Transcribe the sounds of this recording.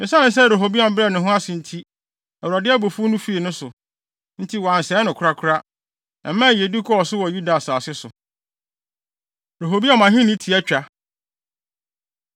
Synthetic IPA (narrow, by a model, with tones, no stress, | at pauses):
mɪ̃˨sã˦ɪ̃˦sɛ˦ɾo˨ɦo˨bi˦ã˨m̩˦bɾɛ˦˨nʊ̃˨ɦʊ̃˦a˦sɪ̃˨n̩˦tʰi˦ | ɛ˨wu˨ɾa˨dɪ˦ɛ˦bo˨fu˦nũ˦fi˦e˨nʊ̃˦sʊ˨ | n̩˦tʰi˦wɔ˨ã˨n̩˨sɛː˨˦nʊ̃˨kʰɾa˦kʰʊ˦ɾa˦ | ã˨mːã˦˨je˨di˦kʰɔ˦ɔ˨sʊ˦wɔ˨ju˦da˨saː˨sɪ˦sʊ˨ | ɾo˨ɦo˨bi˦a˦˨mã˨ɦĩ˦nɪ̃˦tʰi˨ɛ˦t͡ɕᶣa˨